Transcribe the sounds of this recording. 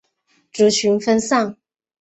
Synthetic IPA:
ʈ͡ʂu˨˩t͡ɕʰy˧˥nfə˥nsɑ˥˩ŋ

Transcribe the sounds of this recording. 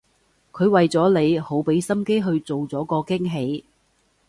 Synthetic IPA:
kʰɵ˨˧ɥwɐ˨jt͡sɔː˨˥le˨˧jho˨˥wpe˨˥jsɐ˥mke˥jɦɵ˧ɥt͡so˨wt͡sɔː˨˥kɔː˧kɪ˥ŋɦe˨˧j

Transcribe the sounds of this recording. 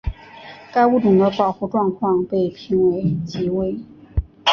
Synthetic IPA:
ka˥ɪu˥˩ʈ͡ʂʊ˨˩ŋd̪ə˦pɑ˨˩ʊxu˥˧ʈ͡ʂwɑ˥˧ŋkʰwɑ˥˧ŋpe˥˩ɪpʰi˧˥ŋwe˧˥ɪt͡ɕi˧˥we˥ɪ

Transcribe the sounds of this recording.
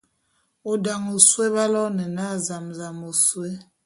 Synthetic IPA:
o˨da˨ŋo˨swe˦βa˦lɔ˦nɛ˨na˦˨za˨mza˨mo˨swe˦

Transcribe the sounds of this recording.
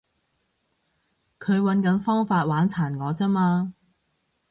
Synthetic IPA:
kʰɵ˨˧ɥwɐ˨˧nkɐ˨˥nfɔː˥ŋfaː˧t̚waː˨˥nt͡sʰaː˨˩nŋɔː˨˧t͡sɐ˥maː˧

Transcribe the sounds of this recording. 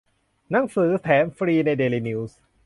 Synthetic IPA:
na˩˦ŋsɯː˩˦t̪ʰɛː˩˦mfɾiː˧na˧jdeː˧liː˧ni˧ws

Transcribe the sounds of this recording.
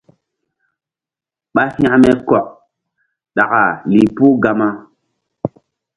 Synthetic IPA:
ɓa˦hj̃a˦mɛ˦kɔ˨ʔ̚ | ɗa˨ka˨li˨pu˦ɡa˦ma˦

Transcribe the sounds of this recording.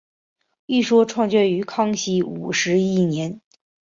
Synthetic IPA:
i˥˩ʂwɔ˥ʈ͡ʂʰwɑ˥˧ŋt͡ɕɥɛ˥˩y˧˥kʰɑ˥ŋɕi˥ṵ˨˩ʂɻ̩˧˥i˥˩njɛ˧˥n

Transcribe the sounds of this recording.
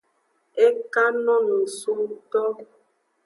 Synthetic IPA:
e˦ka˦nɔ̃˦nũ˨su˦t̪ɔ˦

